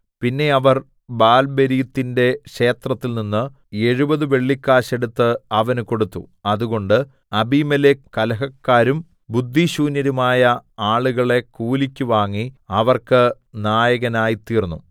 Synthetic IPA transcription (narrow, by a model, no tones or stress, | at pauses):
pinːe̞ɐʋɐr | baːlbeɾijɐt̪ːinde̞ɕe̞ːt̪rɐt̪ːilninːɨ | e̞ɻubɐðɨʋe̞ɭːikːaːɕe̞ɽut̪ːɨɐʋɐnuko̞ɽut̪ːṵɐðuɣo̞ɳɖɨ | ɐbimɐlekɐlɐɦɐkːaːɾum | bud̪ʱːiɕuːnjɐɾumaːjɐaːɭuɣɐɭe̞kuːlikʲːuʋaːŋːiɐʋɐrkɨ | naːjɐɣɐnaːjit̪iːrnːṵ